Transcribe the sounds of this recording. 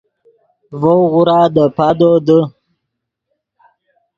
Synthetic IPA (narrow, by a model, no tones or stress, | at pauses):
vowɣuɾɑːd̪əpad̪od̪ə